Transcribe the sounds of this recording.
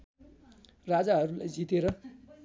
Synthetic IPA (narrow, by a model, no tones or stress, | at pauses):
rad͡zaɦʌɾula̰jd͡zit̪eɾʌ